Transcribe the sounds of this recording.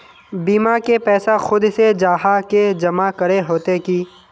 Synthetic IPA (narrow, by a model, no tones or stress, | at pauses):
biːmakepɛːsaxʊd̪sed͡ʒaːɦaked͡ʒɐmakɐɾeɦoːt̪ekiː